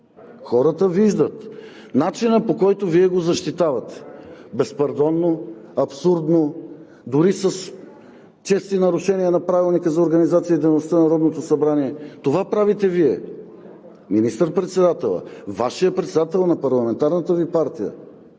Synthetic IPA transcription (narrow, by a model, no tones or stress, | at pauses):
xɔɾət̪əviʒd̪ət̪ | nat͡ʃinəpokɔjt̪oviɛɡozɐʃt̪it̪avɐt̪ɛ̥bɛspɐɾd̪ɔnːoɐpsuɾd̪no | d̪ʊɾisəs | t͡ʃɛst̪inɐɾuʃɛniənɐpɾavilˠnikəzɐoɾɡɐnizat̪sijəid̪ɛjnost̪anɐɾɔd̪not̪osɐbɾaniɛt̪ovapɾavit̪ɛviɛ̰ | minist̪əɾpɾɛt̪sɛd̪at̪ɛlˠə̰vaʃijəpɾɛt̪sɛd̪at̪ɛlˠnɐpɐɾlˠɐmɛnt̪aɾnət̪əvipaɾt̪ijə̰